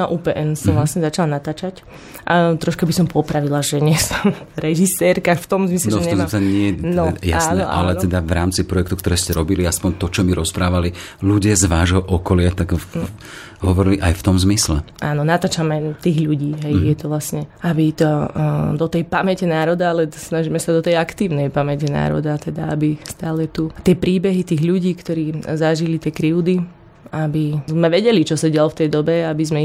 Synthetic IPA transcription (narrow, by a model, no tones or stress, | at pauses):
aʔuːpɛːʔɛnsɔmʋlasɲɛzat͡ʃalanat̪aːt͡ʃac | ʔat̪ɾɔʃkabisɔmpɔpɾaʋilaʒɛɲɪɛsɔ̥m | ɾɛʒisɛɾkaft̪ɔmzmisnɛɔɲɛɔt̪aɲɪɛnɔja̰snɛɔʔa̰lɛɛd̪aʋɾaːmt͡sipɾɔjɛkt̪ukt̪ɔɾɛːscɛɾɔbiliaspɔɲt̪ɔt͡ʃɔmiɾɔspɾaːʋali | luɟɪazʋaːʒɦɔʔɔkɔlɪat̪aɡ | ɦɔʋɔɾiliʔajft̪ɔmzmislɛaːnɔnat̪aːt͡ʃamɛt̪iːɣʎuɟiːɦɛjjɛt̪ɔʋlasɲɛabit̪ɔd̪ɔt̪ɛjpamɛcɛnaːɾɔd̪aalɛsnaʒimɛsad̪ɔt̪ɛjakt̪iːʊnɛjpamɛcɛna̰ːɾɔ̰d̪at̪ɛd̪aabist̪aːlɛt̪ut̪ɪɛpɾiːbɛɦit̪iːɣʎuɟiːkt̪ɔɾiːzaʒilit̪ɪɛkɾiʊd̪i | abizmɛʋɛɟɛlit͡ʃɔsaɟɪalɔft̪ɛjd̪ɔbɛabizmɛi